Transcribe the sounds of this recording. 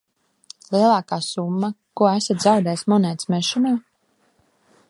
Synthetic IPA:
lˠiɛlˠaːkaːsumːakuɔæsat̪ʲzawd̪ɛːjsmunɛːt̪smɛʃɔnaː

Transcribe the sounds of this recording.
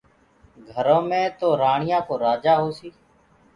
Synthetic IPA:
ɡʱəɾõːmẽːt̪oːɾaːɳɪjãːkoːɾaːd͡ʒaːɦoːsiː

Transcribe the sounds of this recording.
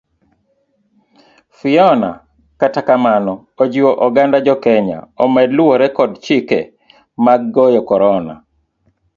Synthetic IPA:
fiɔna̰ | katakamanɔ | od͡ʒiwoʔɔɡandad͡ʒɔkɛɲa̰ɔmɛdluoɾɛkɔdt͡ʃikḛ | maɡːɔjɔkɔɾɔna̰

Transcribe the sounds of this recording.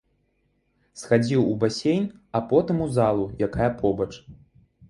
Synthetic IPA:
sxad͡zʲiwubasʲejnʲapɔt̪ɨmuzalˠujakajɐpʰɔbɐt͡ʂ

